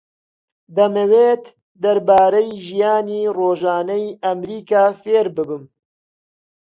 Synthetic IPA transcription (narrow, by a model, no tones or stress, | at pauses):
d̪ɐmɐweːt̪ | d̪ɐɾbaːɾɐjʒijaːniːroːʒaːnɐjɐmɾiːkaːfeːɾbɨbɨm